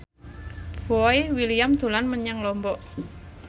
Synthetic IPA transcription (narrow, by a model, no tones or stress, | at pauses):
b̥ɔiwilijamd̪̥ṳlanməɲaŋlɔmbɔʔ